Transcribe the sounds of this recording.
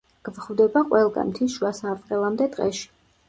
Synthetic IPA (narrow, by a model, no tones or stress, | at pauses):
ɡ̥vχvd̪ɛbaqʼwɛlˠɡa̰mt̪ʰiʃuasaːp̪ʼqʼɛlˠamd̪ɛd̪ʁɛ̰ʃi̥